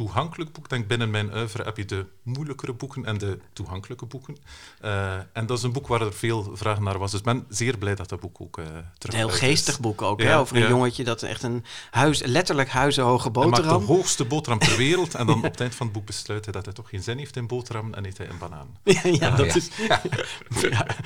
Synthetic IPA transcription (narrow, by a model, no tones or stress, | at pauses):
tuɦɑŋkələk̚bukdɛŋk̚bɪnənmɛjnœːvəɾə̰ɛpjədə | mujləkərəbukənɛndətuɦɑŋkələkəbukənəʔɛndɑtɪs̬ənbukʋaːrərv̥eːlˠvraːɣənːaːrʋɑsdɵsbɛnzɪːrblɛjdɑt̚dɑd̚bukʰo̰ːkːtə̥r̥ɦeːlˠχeːsstəχbukowkɛoːvərəjoŋəcədɑtɛ̰χtənhœɥzlɛtəɹləkɦœɥzəɦowχəboːmaːrɑmɦoːxstəboːtrɑmtərʋeːɾəlˠtɛndɑnɔpətɛjntfɑnəd̚buk̚bəslœːtɦɛjdɑtɦɛjtɔχːeːnzɪnɦeːftɪnboːtrɑmənɛ̰neːthɛ̰jə̰nbana̰ːnjjadɪs | ja